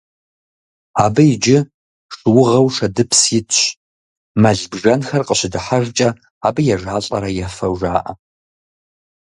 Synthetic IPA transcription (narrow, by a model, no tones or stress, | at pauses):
aːbɐjɪd͡ʒɪ | ʂɨwʊʁɐwʂɐdɨpʰsjɪtɕ | mɐɮbʒɐnxɐrqʼəɕɪdɨħaʒt͡ʃʼɐ | aːbɨjɛʒaːɬʼɐ̰ɾɐjɛfɐwʒaːʔɐ